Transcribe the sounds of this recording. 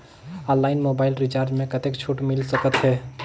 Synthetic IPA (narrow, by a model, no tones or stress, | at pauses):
ɔ̃nlaɪnmobaɪlɾit͡ʃaɾd͡ʒmẽkət̪ekt͡ʃʰuʈmilsəkət̪ɦɛ